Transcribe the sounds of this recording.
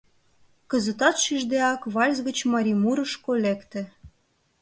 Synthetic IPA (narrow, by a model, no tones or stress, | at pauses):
kə̆zə̆t̪ɑt̪ʃyʒd̪eɑkβɑlʲzɣə̆t͡ɕmɑɾʲimuɾə̆ʃkolekt̪ĕ